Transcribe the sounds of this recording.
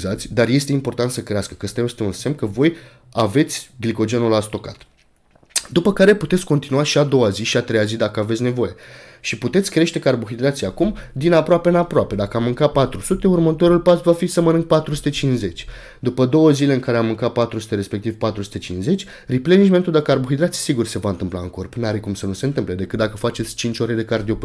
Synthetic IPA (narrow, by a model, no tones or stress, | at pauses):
zat̪sʲd̪arje̞st̪e̞impo̞rt̪ant̪səkɾeaskə̥kəst̪eost̪eunse̞mkəvo̞j | ave̞t̪sʲɡliko̞d͡ʒe̞nulat̪sʲt̪o̞ka̰t̪ | d̪upəkaɾe̞put̪et̪sʲko̞nt̪inuaʃiad̪o̞waziʃiat̪ɾe̞jazid̪akəavet̪sʲne̞vo̞je̞ | ʃiput̪et̪sʲkɾe̞ʃt̪e̞kəarbuxid̪ɾat̪sʲiakumd̪inapɾoapeɨnapɾoape̞d̪akəamːɨŋkat̚pat̪ɾusut̪e̞urmət̪o̞ɾulpasvafisəmənɨŋk̚pat̪ɾusu̥t̪e̞t͡ʃinsze̞t͡ʃʲ | d̪upəd̪o̞wəzile̞ɨŋkaɾe̞amːɨŋkat̪̚pat̪ɾusu̥t̪e̞ɾe̞spe̞k̚t̪ivpat̪ɾusu̥t̪e̞t͡ʃinsze̞t͡ʃʲ | ripleniʒment̪ud̪ekəarbuɦid̪ɾat̪si̥siɡurse̞vaɨnt̪ɨmpla̰ɨ̰ŋko̞rpnaɾekumsənuse̞nt̪ɨmple̞d̪e̞kɨt̪d̪akəfat͡ʃe̞t̪sʲt͡ʃint͡ʃʲoɾe̞d̪e̞kard̪iop